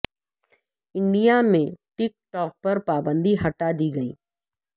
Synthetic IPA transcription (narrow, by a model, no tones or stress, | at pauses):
ɪ̃ɳɖijamẽʈɪk̚ʈɔːk̚pɐɾpaːbə̃nd̪ʱiɦɐʈad̪iːɡɐḭː